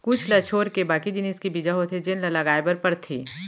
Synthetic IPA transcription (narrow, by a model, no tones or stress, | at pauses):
kʊt͡ʃʰlɐt͡ʃʰoːɾkebaːkid͡ʒɪniːskibiːd͡ʒaɦot̪ʰed͡ʒɪnlɐlɐɡaːebɐɾpɐɾt̪ʰiː